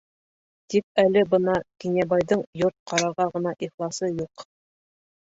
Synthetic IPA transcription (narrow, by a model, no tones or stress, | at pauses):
t̪ik̚ælɘbɤnɑkinʲæbɑjðɤɴjoɾt̪̚qʰɑɾɑʁɑʁɤ̆nɑʔiχlˠɑsɤjuq